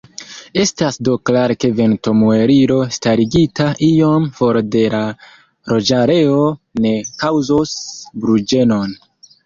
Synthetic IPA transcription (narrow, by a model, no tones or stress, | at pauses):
e̞stasdoklaɾke̞ve̞nto̞mue̞ɾiɾo̞staɾiɡitaʔijo̞mfo̞ɾde̞la | ɾo̞d͡ʒaɾe̞one̞kawzosbɾud͡ʒe̞no̞n